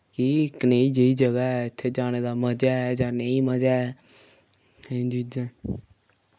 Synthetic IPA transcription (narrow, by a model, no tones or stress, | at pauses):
kikneːid͡ʒəiːd͡ʒəɡaːɛɪt̪ʰːeːd͡ʒaːneːd̪aːməd͡ʒaːɛːd͡ʒãːnəĩːməd͡ʒaːɛː | ẽd͡ʒ̪id͡ʒẽː